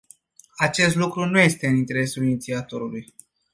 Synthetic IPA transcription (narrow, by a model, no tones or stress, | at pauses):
at͡ʃe̞st̪lukɾunuje̞st̪e̞ɨnint̪e̞ɾe̞sulinit̪siat̪o̞ɾuluj